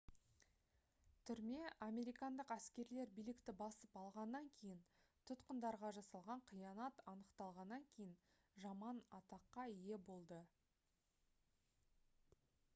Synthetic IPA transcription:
t̪ʰʏɾme̞ʔɑme̞ɾijkɑnd̪əqæskʲe̞ɾle̞ɾbijlɪkt̪ɪbɑsəpɑlˠʁɑnːɑŋkʲʰe̞jɪnt̪ʰʊt̪qənd̪ɑɾʁɑʒɑsɑlˠʁɑɴqʰijɑnɑt̪ɑnəqt̪ɑlˠʁɑnːɑŋkʲʰe̞jɪn | ʒɑmɑnɑt̪ɑqːɑije̞bo̞lˠd̪ə

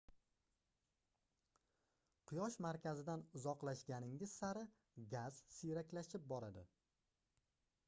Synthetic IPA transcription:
qʰʊjɒʃmaɾkʲazɪd̪anʊzɒqlˠaʃɡʲanɪŋʲɪz̥saɾɪ | ɡʲaz̥sɪjɾakʲlaʃɪp̚bɒɾad̪ɪ

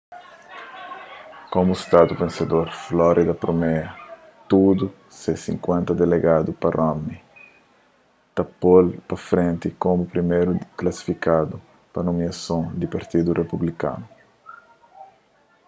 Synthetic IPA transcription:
komust̪ad̪upẽnsed̪oɾflɔɾʔid̪ɐpɾomɛɐ | t̪ud̪u | sesĩŋkwɛ̃nt̪ɐd̪eleɡad̪uparʔɔmi | t̪apolpɐfɾẽnt̪ikomupɾimeɾuklasi̥fikad̪u | pɐnumiasõd̪ipaɾt̪id̪urʔepublikã̰nu

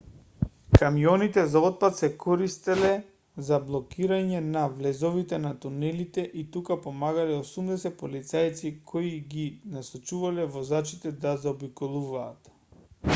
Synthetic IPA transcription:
kamijɔnit̪ɛzaɔt̪̚pat̪sɛkʰɔɾist̪ɛlɛ | zablˠɔkiɾaɲɛnavlɛzɔvit̪ɛnat̪unɛlit̪ɛʔit̪ukapomaɡalɛosumd̪ɛsɛt̪̚polit̪sajt̪sikʰoiɡinasat͡ʃuvalɛvɔzat͡ʃit̪ɛd̪azaɔbikɔlˠuvaːt̪

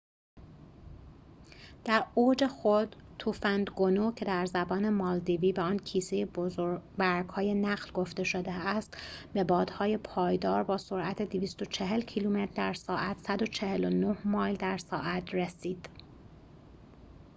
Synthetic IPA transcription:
d̪̥æɾoːd͡ʒe̞xod̪̥t̪ʰufænd̪ɡonocʰe̞d̪æɾzæbɒːnemɒːld̪iviːbeɒːncʰiːsejebozoɾbæɾɡhɒːje̞næɣlɡo̞ft̪e̞ʃod̪eæst̪be̞bɒːd̪̥hɒːje̞pʰɒːjd̪ɒːɾbɒːsoɾʔæt̪ʰed̪iviːst̪o̞t͡ʃʰeɦe̞lcʰiːlumet̪ɾd̪æɾsɒːʔæt̪sæd̪o̞t͡ʃʰe̞helonohmɒːjld̪æɾsɒːʔæt̪ʰresiːd̪̥

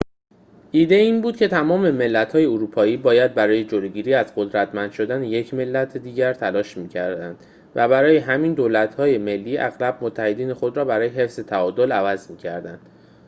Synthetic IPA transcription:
ʔiːd̪e̞iːnbuːd̪̥̚cʰe̞t̪ʰæmɒːme̞me̞lːæt̪hɒːjeoɾuːpʰɒːiːbɒːjæd̪̚bæɾɒːje̞d͡ʒoloɟiːɾiːæzɢod̪ɾæt̪mænd̪̥ʃo̞d̪æneje̞cʰme̞lːæt̪ʰed̪iːɟæɾt̪ʰælɒːʃmiːcʰæɾd̪ænd̪̥ | væbæɾɒːje̞ɦæmiːnd̪oːlæt̪hɒːje̞me̞lːiːʔæ̰ɣlæb̚mot̪ʰːæhe̞d̪iːne̞xo̞d̪ɾɒːbæɾɒːje̞ɦe̞fz̥e̞t̪ʰæɒːd̪olævæzmiːcʰæ̰ɾd̪ænd̪̥

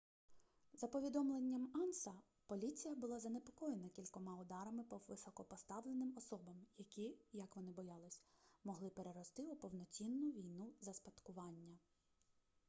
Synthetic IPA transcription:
zɐpɔʋʲid̪ɔmlˠenʲːɐmɑnsɐ | pɔlʲit͡sʲijɐbʊlˠɑzɐnepɔkɔjenɐkʲilʲkɔmɑʊd̪ɑɾɐmɪpɔʋɪsɔkɔpɔst̪ɑʋle̞nɪmɔsɔbɐmjɐkʲijɐkʋɔnɪbɔjɑlˠɪsʲmɔɦlˠɪpe̞ɾeɾɔst̪ɪupɔwnɔt͡sʲinːʊʋʲijnuzɐspɐt̪kʊʋɑnʲːɐ

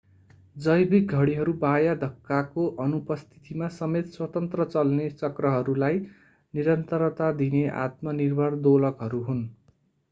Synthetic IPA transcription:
d͡zʌjbik̚ɡʱʌɽiɦʌɾubajad̪ʱʌkːakoʔʌnupʌst̪ʰi̥t̪imasʌmet̪swʌt̪ʌnt̪rʌt͡sʌlnet͡sʌkrʌɦʌɾulaj | niɾʌnt̪ʌɾt̪ad̪ineʔa̰t̪mʌnirbʱʌrd̪olʌkɦʌɾuɦun

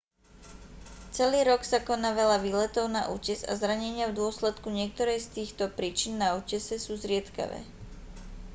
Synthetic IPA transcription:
t͡sɛliːɾɔksakɔnaːʋɛlaʋiːlɛt̪ɔʊna̰ʔṵːcɛza̰zɾaɲɛɲɪavd̪ʊɔslɛt̪kuɲɪɛk̚t̪ɔɾɛjst̪iːxt̪ɔpɾiːt͡ʃinːauːcɛsɛsuːzɾɪɛt̪ka̰ʋɛ̰ː

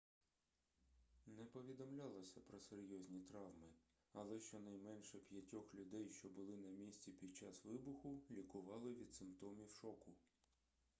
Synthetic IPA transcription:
nɛpɔʋʲid̪ɔmlʲɑlˠɔsʲɐpɾɔseɾʲjɔzʲnʲit̪ɾɑwmɪ | ɐlˠɛʃt͡ʃɔnɐjmɛnʃɛpʲjɐtʲɔxlʲʊd̪ɛjʃt͡ʃɔbʊlˠɪnɐmʲisʲt͡sʲipʲid̪̚t͡ʃɑsʋɪbʊxʊlʲikʊʋɑlˠɪʋʲid̪̥sɪmpt̪ɔmʲiwʃɔkʊ

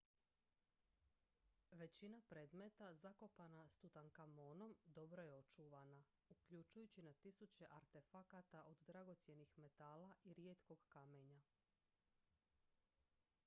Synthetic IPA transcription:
ʋe̞t͡ɕinapɾe̞ːd̪met̪azako̞panast̪ut̪aŋkamoːno̞md̪o̞bɾo̞je̞o̞t͡ʃuːʋana | ukʎut͡ʃujut͡ɕinat̪isut͡ɕe̞ʔaɾt̪e̞fakat̪aʔo̞d̪d̪ɾaɡo̞t̪sje̞nixme̞t̪aːlaʔiɾje̞t̪ko̞ɡkame̞ɲa

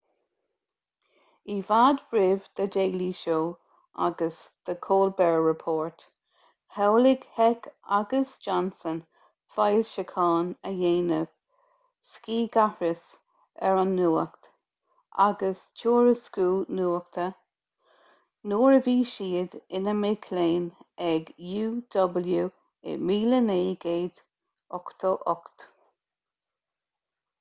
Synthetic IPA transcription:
ivad̪ɹɪvd̪̥əd̪eːliʃoː | a̰ɡəsd̪̥əkʰoːlbɛɹɹɪpʰoːɹt̪ | hawlɪɡ̥hɛkaɡəsd͡ʒɔnsən | fajlʃəkʰɑːnəjeːnəv̥ | skiːɡahɹɪs | ɛɹanːuːə̰kt̪ | ʔa̰ɡəst͡ʃʰuːɹəskuːnuːək̚t̪ʰə | noːɹəviːʃiːd̪ɪnəmeːkʰleːnɛɡjuːd̪̥ɔbəljuː | ɪ̰miːləneːɡ̥eːd̪ | ɔkt̪ʰəʔɔkt̪

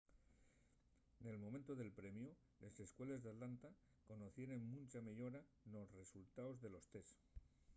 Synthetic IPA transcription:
ne̞lmo̞mẽ̞nt̪oðe̞lpɾe̞mju | le̞se̞skwe̞le̞zðat̪lant̪a | ko̞noθje̞ɾe̞ŋmũnʲt͡ʃameʎo̞ɾa | no̞sre̞sult̪aozðe̞lo̞st̪e̞s

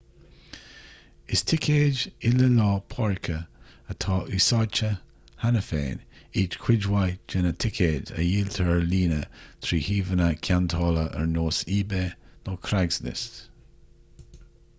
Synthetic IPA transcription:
ɪstʰɪkʰeːd͡ʒɪləlɑːpʰɔɹɪkʰəət̪ʰɑːʔʉːsat͡ʃə | hanəfḛːniːdkʰwɪd͡ʒwajd͡ʒɛnətʰɪkʰeːdə̰jiːlt̪ʰəliːnət̪ʰɾiːhiːvənəkʰjant̪ʰɑːləʔə̰ɹnoːsiːbeːnokʰɾaɡznɪ̰st

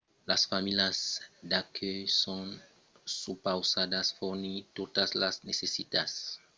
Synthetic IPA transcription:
lasfamiljasd̪akʰøjson | supawsad̪asfoɾnit̪ot̪aslasnesesit̪as

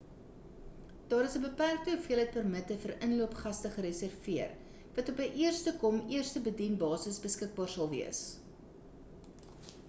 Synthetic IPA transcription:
d̥ɑːɾəsəbəpærk̚təəfiələjt̚pərmətəfəɾʔənluəpχɐstəχəɾəsærfiər | vɐtɔpəʔiərstəkɔmiərstəbədinbɑːsəsbəskək̚bɑːrsɐlˠviəs

